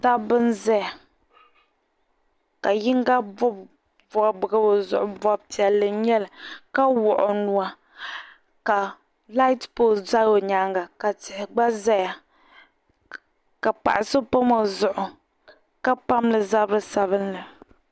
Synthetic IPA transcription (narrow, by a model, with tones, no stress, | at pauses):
ta˦bɨ˦nza˦ja˨ | ka˨ji˦ŋ˦ɡa˦bɔ˦b | vɔ˨bɨ˨ɡɨ˦bo˨zʊ̰˨ʔʊ˨bɔ˦b̚ti˨a˨lɨ˨ɲɛ˦lɨ˨ka˦wʊ˨ʔʊ˨nu˦a˦ | ka˨ | la˦ɪ˦tpo˦za˦o˨ɲa˦ŋɡa˨ka˨tɪ˨hɪ˨ɡ͡ba˦za˦ja˨ | ka˨pa̰˨ʔɪ˨sɨ˦po˦mo˨zʊ˨ʔʊ˨ | ka˦pa˦mlɨ˨za˦bɨ˦sa˨βɨ˦nlɨ˨